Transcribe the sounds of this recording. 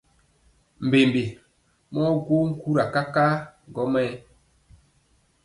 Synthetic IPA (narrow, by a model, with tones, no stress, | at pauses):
m̩˨be˨mbe˨ | mɔ˦ɡo˦ŋ̩˦ku˦ɾa˨ka˦ka˦ɡɔ˦mɛ˦